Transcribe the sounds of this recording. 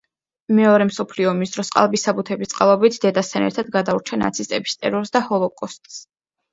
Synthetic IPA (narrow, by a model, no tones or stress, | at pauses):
mɛɔɾɛmsɔpʰliɔmisd̪ɾɔsqʼa̰lˠbisabut̪ʰɛbist̪sʼqʼalˠɔbit̪ʰd̪ɛd̪ast̪ʰanɛ̰ɾt̪ʰad̪̚ɡad̪auɾt͡ʃʰana̰t̪sʰist̪ʼɛbist̪ʼɛ̰ɾɔɾsd̪ahɔlˠɔkʼɔst̪ʼs